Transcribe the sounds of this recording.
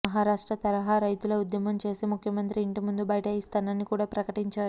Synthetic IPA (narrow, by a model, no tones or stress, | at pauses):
ɐɦaːɾaːʂʈɾɐt̪ɐɾɐɦaːɾɐjt̪uloud̪jɐmɐmt͡ʃe̞ːsimukʰjɐmɐnt̪ɾiːɳʈimund̪ubɐjʈɐjist̪ɐnɐnːikuːɽaːpɾɐkɐʈiɲt͡ʃaːɾu